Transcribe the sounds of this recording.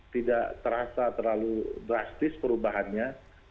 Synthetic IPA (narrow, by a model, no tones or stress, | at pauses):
t̪idaʔt̪əɾasat̪ərlaludɾast̪ɪspəɾubaɦanɲa